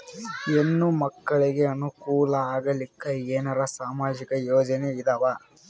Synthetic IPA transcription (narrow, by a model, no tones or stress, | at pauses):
enːumɐkːɐɭiɡe̞ɐnukuːlɐaːɡɐlikːɐeːnɐɾɐsaːmaːd͡ʒikɐjoːd͡ʒɐneid̪ɐʋa